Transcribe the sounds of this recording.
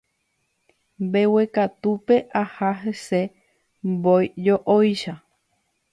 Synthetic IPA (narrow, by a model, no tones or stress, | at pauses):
mbewe̞kat̪upe̞ʔahaɦese̞ | mbojd͡ʒoʔojʃa